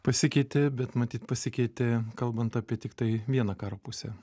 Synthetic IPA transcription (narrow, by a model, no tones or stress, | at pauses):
pɐsʲɪkʲɛɪt̪ʲɪbʲɛt̪mɐt̪ʲiːt̪pɐsʲɪkʲɛɪt̪ʲɪkɐlˠbɐnt̪ɑːpʲiɛt̪ʲɪkt̪ɐɪʋʲiɛnɑkɑːɾoːpʊsʲɛ̰